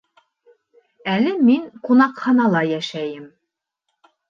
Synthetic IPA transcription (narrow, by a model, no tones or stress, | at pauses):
ælɘmiŋqunɑqχɑnɑlˠɑjæʃæjɘm